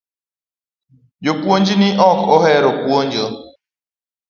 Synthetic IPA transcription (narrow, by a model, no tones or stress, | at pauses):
jokʷuond͡ʒinɪʔɔkoɦɛɾokuon̩d͡ʒo